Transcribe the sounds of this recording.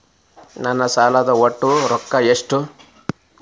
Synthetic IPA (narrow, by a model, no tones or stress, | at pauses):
nɐnːɐsaːlɐd̪ɐoʈːuɾɔkːɐeʂʈu